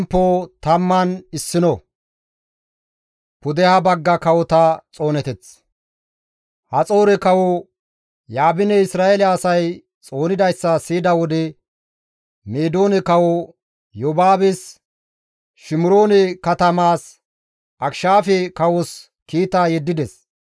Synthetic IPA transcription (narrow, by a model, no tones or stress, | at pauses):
mpːot̪ɐmːɐnɪsːɪnɔ | pʊd̪ɛhɐbɐɡːɐkɐwɔt̪ɐt͡sʼo̞ːnɛt̪ɛt͡s | hɐt͡sʼo̞ːɾɛkɐwɔ | jaːbɪnɛɪsɾaːelaːsɐj | t͡sʼo̞ːnɪd̪ɐjsːɐsiːd̪ɐwɔd̪ɛ | meːd̪o̞ːnɛkɐwɔ | jobaːbɛs | ʃɪmʊɾo̞ːnɛkɐt̪ɐmaːs | ʔɐkʃaːfɛkɐwɔs | kiːt̪aːjɛd̪ːɪd̪ɛs